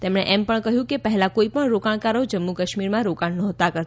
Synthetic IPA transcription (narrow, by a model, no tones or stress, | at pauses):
t̪emɳeʔɛmpəɳkəɦjũkepəɦɛlakoipəɳɾokaɳ̃kaɾod͡ʒəmːukəʃmiɾmãɾokãɳnɔ̃ɦt̪akəɾt̪